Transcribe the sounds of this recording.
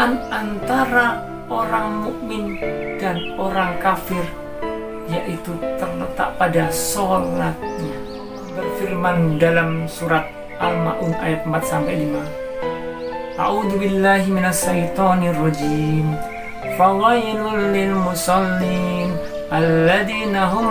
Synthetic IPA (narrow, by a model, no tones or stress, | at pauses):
anʔant̪aɾa | ʔoɾaŋmuʔmɪn | danoɾaŋkafɪr | jaʔit̪ut̪ərlət̪a̰ʔpadasolat̪̚ɲa | bərfirmandalamsuɾat̪̚ | ʔalma̰ʔunʔa̰jat̪̚əmpat̪̚sampɛliman | ʔa̰ʕuðubilːaɦiminaʃːajt̪ɔnrˤɑd͡ʒim | fɑðɑlulɪlmusɑlːin | ʔalːaðiːnaɦʊm